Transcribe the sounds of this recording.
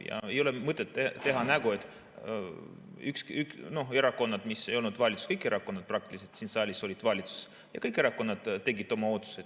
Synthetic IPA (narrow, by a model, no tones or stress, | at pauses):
jɑ̰e̞jo̞lemɤt̪ːˑet̪ːet̪e̞ɦɑnæɡue̞t̪ːˑ | ykskykno̞he̞ɾɑko̞nːɑd̪̥mise̞jolnud̪vɑlʲit̪su̥skɤjkːˑe̞ɾʔɑkːˑonːɑd̪̥̚prɑk̚t̪iliset̪siːnsɑːlʲiso̞lʲid̪vɑlʲit̪su̥s | jɑ̰kɤjkːˑe̞ɾɑkːˑo̞nːɑd̪̥t̪ːe̞ɡit̪ːˑo̞mɑoːt̪ːˑu̥se